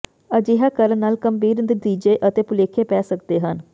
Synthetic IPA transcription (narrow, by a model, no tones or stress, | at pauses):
əd͡ʒɪɦaːkəɾnaːlkəmbiːɾnəd̪iːd͡ʒeːʔət̪eːpʊleːkʰeːpɛːsəkd̪eːɦən